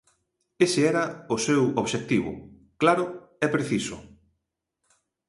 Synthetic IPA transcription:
esɪɛɾɐʊsewoβʃek̚t̪iβʊ̰ | klaɾʊ | ɛpɾeθisʊ̰

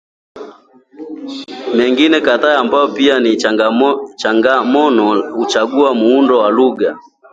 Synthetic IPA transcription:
mɛŋɡinɛkataambaɔpiani | t͡ʃaŋɡamɔnɔut͡ʃaɡuamuundɔwaluɡa

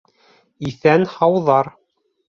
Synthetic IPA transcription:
iθænhɑwðɑɾ

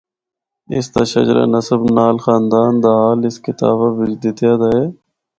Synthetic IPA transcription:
ɪ̰st̪aːʃə̰d͡ʒɾa̰ːnəsəbnaːlxaːnd̪aːnd̪aːɦaːlɪskɪt̪a̰ːʋaʋɪd͡ʒd̪ɪt̪jaːd̪aːɦeː

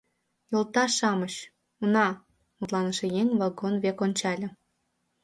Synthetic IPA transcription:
jolt̪ɑʃɑməɕ | unɑ | mut̪lˠɑnə̆ʃejeŋʲβɑlɡonβekonʲt͡ɕɑlʲĕ

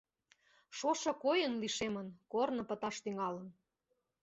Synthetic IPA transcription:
ʃoʃɤ̆kojənliʃemənkornɤ̆pə̆t̪ɑʃt̪yŋɑlən

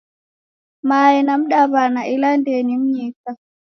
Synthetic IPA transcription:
maːjɛnam̩ɗaβanaʔilandenimɲita

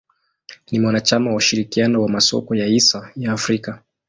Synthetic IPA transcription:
nimwanat͡ʃamawauʃiɾikianɔwamasɔ̰kɔjaisajaːfɾika

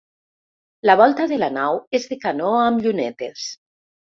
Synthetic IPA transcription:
laβ̞ɔlˠt̪aðelanawezðekanoamʎunet̪es

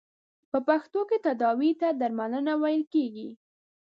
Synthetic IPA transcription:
pəpaxt̪oket̪ad̪ɑwit̪ad̪aɾmanənawajəlkeɡi

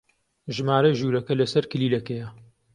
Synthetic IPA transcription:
ʒɨmaːɾɐʒuːɾɐkɐlɐsɐɾkɨliːlɐkejɐ

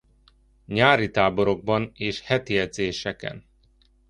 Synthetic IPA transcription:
ɲaːɾit̪aːbo̞ɾo̞ɡ̚bɒneːʃhɛt̪ijɛd̪zeːʃɛkɛ̰n

